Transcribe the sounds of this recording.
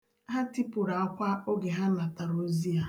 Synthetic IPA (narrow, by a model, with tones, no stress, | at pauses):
ɦa˦ti˦pʊ˨ɾa˨a˦kʷa˦o˦ɡe˨ɦa˦na˨ta˨ɾo˦zi˦a˨